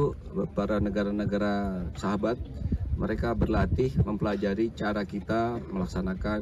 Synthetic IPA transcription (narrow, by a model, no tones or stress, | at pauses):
paɾanəɡaɾanəɡaɾasaɦabat̪̚məɾekabərlat̪ɪhməmpəlad͡ʒaɾit͡ʃaɾakit̪aməlaksanaka